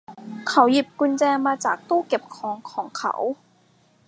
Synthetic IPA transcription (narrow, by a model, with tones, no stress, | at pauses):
kʰa˧˦wji˨˩p̚ku˧nt͡ɕɛː˧maː˧t͡ɕaː˨˩k̚t̪uː˥˩ke˨˩p̚kʰɔː˨˦ŋkʰɔː˩˦ŋkʰa̰˧˩˦w